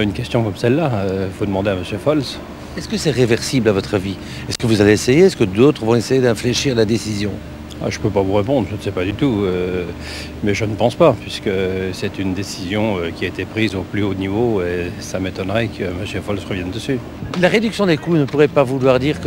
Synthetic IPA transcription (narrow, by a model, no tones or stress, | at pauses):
ynkʲɛst̪jɔ̃kɔmsɛlːaøifod̪əmɑ̃d̪eaməsjøfɔls | ɛskəsɛʁevɛʁsiblavɔt̪χavi | ɛskəvuzaleːsejeɛskəd̪ot̪χəvɔ̃esejed̪ɛ̃fleʃiʁlad̪esizjɔ̃ | a̰ʒəpøpavuʁepɔ̃d̪ʁʒənsɛpad̪yt̪uø | mɛʒənəpɑ̃spapɥiskəsɛt̪ynd̪esizjɔ̃økʲiaet̪epχizoplyonivoesamet̪ɔnʁɛkʰəməsjøfɔlsʁəvjɛnd̪əsy | laʁed̪yksjɔ̃d̪ekunəpuʁɛpavulwaʁd̪iːʁk